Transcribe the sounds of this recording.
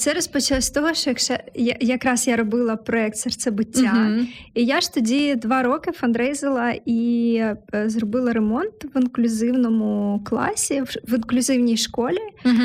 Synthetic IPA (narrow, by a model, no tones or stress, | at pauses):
t̪sɛɾɔspɔt͡ʃlˠɐsʲt̪ɔɦɔʃɔjɐkʃt͡ʃɛjajɐkɾɑsjaɾɔbɪlˠɐpɾɔɛk̚t̪sɛrt̪sɛbɪtʲːaijaʃt̪ɔdʲid̪ʋɑɾɔkɪfɐnd̪ɾɛjzɐlˠɐi | zrɔbɪlˠɐɾemɔnt̪ʋɪnklʲʊzɪwnɔmʊklˠɑ̰sʲiʋɪnklʲʊzɪwnʲijʃkɔlʲi